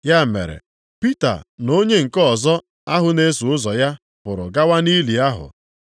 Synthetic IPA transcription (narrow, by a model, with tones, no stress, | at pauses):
ja˦˨mḛ˨ɾḛ˨ | pi˦ta̰˨no˦ɲe˦ŋ̩˨kɔ˦˨zɔ˦ | a˦ɦʊ˨˦ne˦su˨ʊ˦zɔ˨ja˦ | pʊ˨ɾʊ̰˨ɡa˦wa˦ni˦li˨a˦ɦʊ̰˨